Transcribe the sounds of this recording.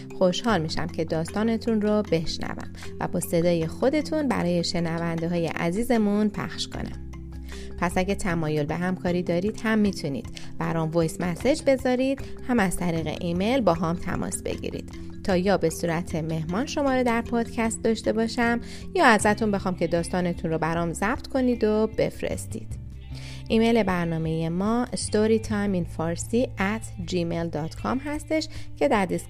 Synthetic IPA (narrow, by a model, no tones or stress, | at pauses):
xo̞ʃhɒːlmiːʃæ̰mcʰe̞d̪ɒːst̪ɒːne̞t̪ʰunrobe̞ʃnæ̰væ̰mvæ̰bɒːse̞d̪ɒːje̞xo̞d̪e̞t̪ʰunbæ̰ɾɒːje̞ʃe̞nævænd̪eɦɒːjḛʔæ̰ziːze̞munpʰæ̰xʃkʰo̞̰næ̰m | pʰæsæɡʲet̪ʰæmɒːjo̞lbe̞ɦæmkʰɒːɾiːd̪ɒːɾid̪̥hæmːiːt̪ʰunḭːd̪̥b̥æɾɒmvojsmæsed͡ʒbe̞zɒːɾid̪̥hæmæz̥t̪ʰæɾiːɣe̞̰ʔime̞jlbɒːɦɒːmt̪ʰæ̰mʔɒ̰ːsb̥ḛɟḭɾḭd̪̥ | t̪ʰːɒːjɒːbe̞suːɾæt̪ʰe̞me̞hmɒːnʃo̞mɒːɾed̪æɾpʰɒːd̪̥cʰæst̪̚d̪ɒʃt̪e̞bɒːʃæm | jɒːæzæt̪ʰunbe̞xɒːmcʲʰe̞d̪ɒːst̪ɒːne̞t̪ʰunɾobæɾɒmzæbt̪kʰoniːd̪obe̞̰fɾḛst̪ḭːd̪̥ | ʔiːme̞jle̞bæɾnɒːme̞jemɒːst̪oɾiːt̪ʰɒjminfɒɾsiːæt̪ʰd͡ʒimeld̪ɒːt̪kʰɒ̰mɦæst̪e̞ʃcʰe̞d̪æɾd̪is